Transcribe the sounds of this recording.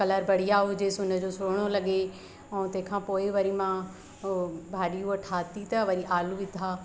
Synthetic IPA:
kɐləɾbʱɐɽ̤ijaɦʊd͡ʑesʊnə̆d͡ʑoːsʊɾɽ̃olɐɠe | ɛ̃ːt̪ɐ̃ɦɪ̃kʰãːpoːɪʋɐɾimã | bʱaːɗijũɐʈʰaːt̪it̪ɐʋɐɾiʔaːluʋɪd̪ʱaː

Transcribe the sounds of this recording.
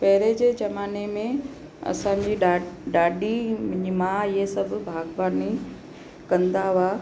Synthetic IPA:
pɐɦɪɾed͡ʑeːd͡ʑɐmaːnemẽ | ɐ̰sãd͡ʑiːɖaːɖim̃d͡ʑimãɪɦesɐbʱbʱaːɡʋaːni | kɐ̃nd̪aʋaː

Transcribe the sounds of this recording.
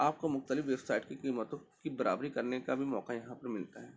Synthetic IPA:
aːp̚kamʊxt̪əlɪfʋeːbsaːɪʈkikiːmət̪õkibɐɾa̰ːbɾikɐɾnekabʱimɔːkajɐɦãpɐɾmɪlt̪aɦɛː

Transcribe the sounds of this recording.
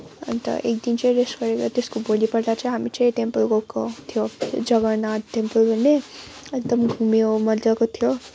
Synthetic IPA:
ʌ̰nt̪ʌ̰ʔḛk̚d̪int͡sʌĩɾesʈɡʌɾekt̪eskobolipʌrd̪at͡sʌ̃ĩɦamit͡sʌj̃ʈempəlɡokot̪ʰijod͡zʌɡʌnaʈempʌlbʱʌnːeek̚d̪ʌmɡʱumjomʌrd͡zakot̪ʰijo

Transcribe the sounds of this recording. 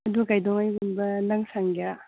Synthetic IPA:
ɐdukajdɔŋajɡunbɐnaŋsaŋɡea

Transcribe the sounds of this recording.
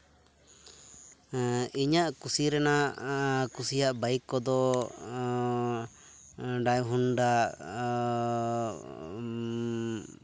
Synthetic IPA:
iɲaʔkusiɾɛnaʔkusijaʔbajkːɔd̪ɔ | ɖajɦunɖa

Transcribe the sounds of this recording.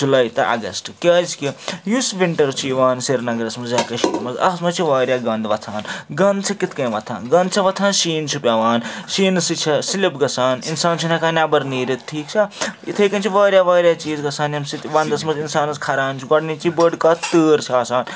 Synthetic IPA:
d͡ʒulaːjt̪ɐʔɐ̰ɡɐ̰sʈkʲɐːzkijusʋiɳʈɐɾt͡ʃʰiːʋaːnsiɾnɐɡɐɾɐsmɐzjɐːkɐʃimɐzɐ̰ɦsmɐt͡ʃʰiʋaːɾjaːɡɐnd̪ʋɐt̪ʰaːnɡɐnd̪̚t͡ʃʰɐkit̪ʰkɐ̃jʋɐt̪ʰa̰ːnɡɐnd̪̚t͡ʃʰɐʋɐt̪ʰaːnʃiːnt͡ʃʰupʲaʋaːnʃiːnɨsit͡ʃʰɐsilipɡɐsaːninsaːnt͡ʃʰunɐkaːnʲabɐɾniːɾʲit̪ʈʰiːkt͡ʃʰɐḭt̪ʰɐjkɐnt͡ʃʰiʋaːɾʲjaːʋaːɾʲjaːt͡ʃiːzɡɐsaːnjɐmsit̪ʋɐnd̪ɐsmɐzinsaːnɐskʰɐɾaːnt͡ʃʰuɡɐɽniːt͡ʃibəɖkaːt̪ɨːɾt͡ʃʰiaːsaːn

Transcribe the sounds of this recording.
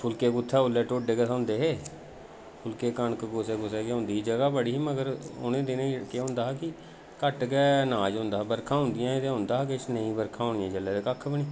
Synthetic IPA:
pʰʊlkeːɡʊt̪ʰːaːʊlːɛːʈoːɖeːɡəsʊ̃nd̪eːɦeː | pʰʊlkeːkəɳkɡʊseːɡʊsɛːkeʊ̃nd̪iːd͡ʒəɡaːbəɽiːməɡəɾʊ̰nẽːd̪enẽkːɦʊ̃nd̪aːkɪ | kəʈɡɛːnaːd͡ʒɦʊ̃nd̪aːbəɾkʰãːɦʊ̃nd̪ɪjãːt̪eɦʊ̃nd̪aːkɪt͡ʃnəĩːbəɾkʰãːɦõːnijãːd͡ʒəlːɛːt̪eːkəkʰːbəniː

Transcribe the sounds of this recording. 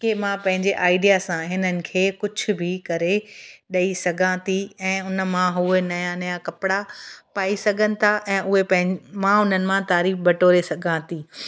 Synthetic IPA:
kemãpɐ̃ɦɪ̃ɲd͡ʑeʔaːɪɖijasãɦɪnənɪ̆kʰeːkʊd͡ʑʱʊ̆bʱɪkɐɾeɗɐisɐɡʱãt̪ʰiɛ̃ːʊnə̆mãɦʊɦenɐjanɐjakɐpɪɽapaːisɐɡʱənɪ̆t̪ʰaʔɛ̃ːʔʊɦepɐ̃ɦɪ̃mãʊn̤ənɪ̆mãt̪aːɾiːfbɐʈoːɾesɐɡʱãːt̪ʰiː

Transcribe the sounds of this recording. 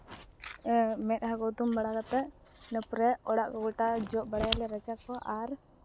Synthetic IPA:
mɛt̪̚haɡɔd̪umbaɽakat̪ɛʔ | nəpɾɛɔɽaʔkɔɡɔʈad͡ʒɔʔ̚baɽajalɛɾət͡ʃakɔʔaɾ

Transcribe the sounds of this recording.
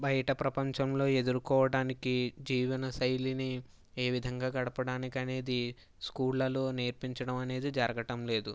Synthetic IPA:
bɐjɐʈɐpɾɐpɐɲt͡ʃɐmlo̞ːe̞d̪uɾukɔːʋɐɽaːnikid͡ʒiːʋɐnɐsɐjlini | e̞ːʋid̪ʱɐŋɡaːɡɐɽɐpɐɽaːnikɐne̞ːd̪i | skuːɽlɐloːneːɾpiɲt͡ʃɐɽɐmɐne̞ːd̪id͡ʒɐɾɐɡɐʈɐmle̞ːd̪u

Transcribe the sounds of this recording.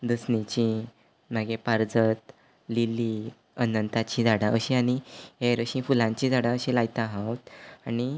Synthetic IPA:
d̪əsnit͡ɕĩ | m̤aɡepaɾd͡zət̪ | lili | ənənt̪at͡ɕĩd͡zaɽaʔəɕĩaɽ̃ieɾəɕĩfulãɲt͡ɕĩd͡zaɽãəɕĩlajt̪aɦãwt̪ani

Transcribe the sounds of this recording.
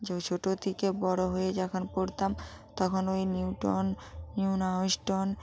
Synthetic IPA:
d͡ʑot͡ɕʰoʈot̪ʰikebɔɽoɦoed͡ʑakʰonpoɾt̪am | t̪ɔkʰonojniuʈonː | inawsʈon

